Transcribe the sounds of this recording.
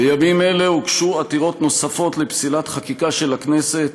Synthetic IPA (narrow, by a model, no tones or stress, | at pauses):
ajamime̞le̞ukʃuat̪iʁo̞tno̞safo̞t̪lepsilatχakikaʃe̞lakne̞se̞t̪̚